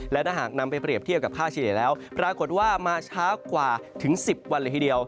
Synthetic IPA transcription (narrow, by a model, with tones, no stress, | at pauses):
lɛ˦˥t̪aː˥˩ɦaː˨˩k̚na˧mpa˧jpɾi˨˩əpt̪ʰi˥˩əp̚ka˨˩kʰaː˥˩t͡ɕʰiː˧li˨˩˦lɛː˦˥wpɾaː˧ko˨˩t̪̚waː˥˩maː˧t͡ɕʰaː˦˥wkwaː˨˩t̪ʰɯ˩˦ŋsi˨˩p̚wa˧nlːt̪i˥˩di˧əw